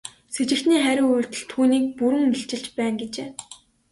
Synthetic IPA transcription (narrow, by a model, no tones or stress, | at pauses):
set͡ɕɪ̆xt̪niːχæɾʲɪ̆ŋujr̥t̪ɘ̆ɮt̪ʰuːniːk̚puɾɘ̆ŋiɬt͡ɕɪ̆ɬt͡ɕpæːnɡet͡ɕeː